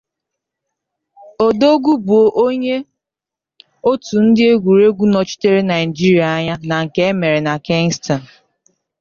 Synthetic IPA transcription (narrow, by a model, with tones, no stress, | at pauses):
o˨do˦ɡu˦bu˨o˨ʔo˦ɲe˦ | o˦tu˨n̩˦dɪ˦e˦ɡʷu˨ɾe˦ɡʷu˦nɔ˨t͡ʃi̥˦te˦ɾe˦na˨ɪ˨d͡ʒi˦ɾi˦a˨a˦ɲa˦na˨ŋ̩˨ke˦e˦me˨ɾe˨na˨ke˦ŋ˦sta˨n˨